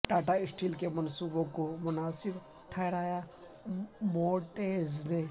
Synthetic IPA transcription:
ʈaːʈaɪsʈilkemɐnsuːbokomʊnaːsiɾ | ʈʰajɾaːja | moːʈeːzne

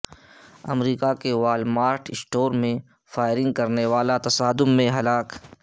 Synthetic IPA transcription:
ɐmɾiːkakeʋaːlmaːɾʈʰɪsʈoːɾmẽ | faːɪɾɪ̃ŋɡkɐɾneʋaːlat̪ɐsaːd̪ʊmːẽɦɐlaːk

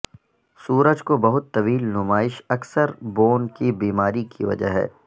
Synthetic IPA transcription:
suːɾəd͡ʒkobɐɦʊt̪ːɐʋiːlnʊmaːɪʃɐksəɾboːnkibiːmaːɾikḭʋɐ̰d͡ʒə̰ɦɛ̰ː

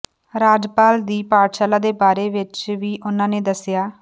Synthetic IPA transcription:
ɾaːd͡ʒpaːld̪iːpaːɾʃaːlaːd̪eːbaːɾeːʋɪt͡ʃʋiːʔʊnãːneːd̪əsɪjaː

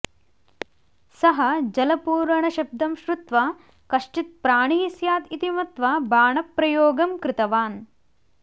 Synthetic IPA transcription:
sɐɦɐd͡ʒɐlɐpuːɾɐɳɐʃɐb̚d̪ʱɐmʃɾut̪ʋɐ | kɐʂʈit̪̚pɾaːɳisjaːt̪it̪imɐt̪ʋɐbaːɳɐpɾɐjoːɡɐmkɾɪt̪ɐʋaːn

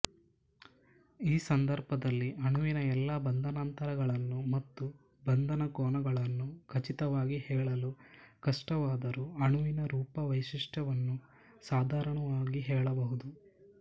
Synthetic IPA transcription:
iːsɐnd̪ɐɾbɐd̪ɐlːiʔɐɳuʋinɐɛlːɐbɐnd̪ʱɐnaːnt̪ɐɾɐɡɐɭɐnːumɐt̪ːu | bɐnd̪ʱɐnɐkɔːɳɐɡɐɭɐnːukʰɐt͡ʃit̪ɐʋaːɡihɛːɭɐlukɐʂʈɐʋaːd̪ɐɾuɐɳuʋinɐɾuːpɐʋɐjʃiʂʈɐʋɐnːu | saːd̪ʱaːɾɐɳɐʋaːɡiɦɛːɭɐbɐɦud̪u

